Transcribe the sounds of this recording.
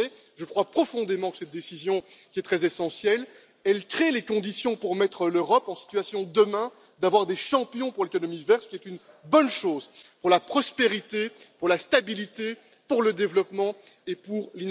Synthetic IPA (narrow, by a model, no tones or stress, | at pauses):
ɛ | ʒəkχwapχɔfɔ̃d̪emɑ̃kə̥sɛt̪̚d̪esizjɔ̃kʲiɛt̪χɛzesɑ̃sjɛl | ɛlkχelekɔ̃d̪isjɔ̃puʁmɛt̪χəløʁɔpɑ̃si̥t̪ɥasjɔ̃d̪əmɛ̃ | d̪avwaʁd̪eʃɑ̃pjɔ̃puʁlekɔnɔmivɛʁtsə̥kʲiɛt̪yn | bɔnʃoːzpuʁlapχɔspeʁit̪epuʁlast̪abilit̪e | puʁləd̪evlɔpmɑ̃ | epuʁlin